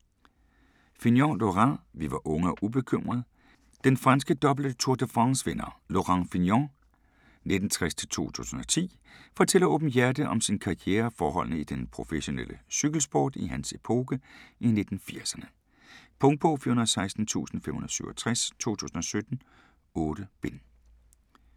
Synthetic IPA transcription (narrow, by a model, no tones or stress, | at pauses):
finjɒloʁɑʋiʋɑ̈ʔɔ̽ŋəɒʔub̥e̝kʰøm̰ʁɐð̞̩ˠ | d̥enfʁɑnsɡ̥əd̥ɒ̽bl̩d̥ət͡sʰuɐd̥əfʁɑnsʋenɐlo̝ʁɑŋfinjɒ | ne̝d̥n̩t͡sʰʁast͡sʰe̝lt͡sʰo̝̰ːt͡sʰṵːsn̩ɒ̽t͡sʰḭː | fɒ̽t͡sʰel̰ɐɔːb̥n̩jæɐd̥əʔɒ̽msinkʰɑ̈ieːɐfɒːɦɒ̽l̰nəid̥enpʰʁo̝feɕo̝nḛl̰ʔəsyɡ̥l̩sb̥ɒ̰ːd̥iɦænsepʰo̝ːɡ̥əʔine̝d̥n̩fiɐ̰sɐnə | pʰɔ̽ŋ̥̚bʰɔfiɐhunɐsɑ̈ɪsd̥n̩t͡sʰṵːsn̩femhunɐsyʊ̰ɒt͡sʰʁast͡sʰo̝̰ːt͡sʰṵːsn̩ɒ̽sød̥n̩ | ɔ̽ːɾ̥əb̥e̝n